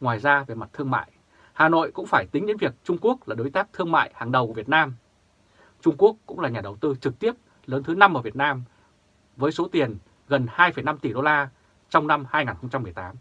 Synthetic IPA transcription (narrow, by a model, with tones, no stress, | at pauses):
ŋwaː˨˩jzaː˧ve˨˩ma˨˩t̚t̪ʰɨ˧əŋma̰ː˧˨j | haː˨˩no̰˧˨jkʊ̰˧˥ŋ͡mfaː˧˩jt̪ï˨˦ŋ̟ɗḛ˧˥nvi˨˩ək̚t͡ɕʊ˧ŋ͡mku˦˥ək̚laː˨˩ɗo˨˦jt̪aː˦˥p̚t̪ʰɨ˧əŋma̰ː˧˨jhaː˨˩ŋɗə˨˩wkvi˨˩ət̚naː˧m | t͡ɕʊ˧ŋ͡mku˦˥əkːʊ̰˧˥ŋ͡mlaː˨˩ɲaː˨˩ɗə˨˩wt̪ɨ˧t͡ɕɨ˨˩k̚t̪i˦˥əp̚ | ləː˨˦nt̪ʰɨ˨˦na˧mʔəː˧˩vət̚naː˧m | vəː˨˦jso˨˦t̪i˨˩ən | ɣə˨˩nhaː˧jfə˧˩jna˧mt̪i˧˩ɗo˧laː˧ | t͡ɕɔ˧wŋ͡mna˧mhaː˧jŋaː˨˩nxə˧ŋ͡mt͡ɕa˧mːɨ˨˩əjt̪aː˨˦m